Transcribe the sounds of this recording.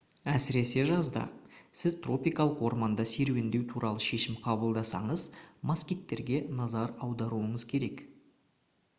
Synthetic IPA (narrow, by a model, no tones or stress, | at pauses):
æsɪɾe̞se̞ʒɑzd̪ɑ̰sɪzt̪ro̞pijkɑlˠəqwo̞̰ɾmɑnd̪ɑse̞ɾwe̞nd̪e̞wt̪ʰuɾʔɑlˠəʃe̞ʃɪmqʰɑbəlˠd̪ɑsɑ̰ɴəzmaskʲik̚t̪ːe̞ɾɡʲe̞nɑzɑɾɑwd̪ɑɾuəɴəzkʲʰe̞ɾe̞k